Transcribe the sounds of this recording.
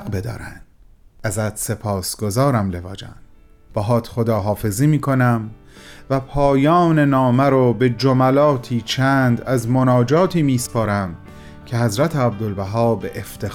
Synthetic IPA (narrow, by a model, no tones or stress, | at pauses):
bed̪ɒ̰ːɾæ̰nd̥̪ | æzæt̪se̞pʰɒːsɡ̥ozɒːɾæmle̞vɒːd͡ʒæ̰n | b̥ɒːɦɒːt̪χod̪ɒːɦɒːfe̞ziːmiːkʰo̞næmvæpʰɒːjɒːne̞nɒːmæɾobe̞d͡ʒomælɒːt̪ʰiːt͡ʃʰænd̪æzmonɒːd͡ʒɒːt̪ʰiːmiːspʰɒːɾæm | cʰe̞hæzɾæt̪ʰeæb̚d̪olbæɦɒːbeʔeft̪ʰe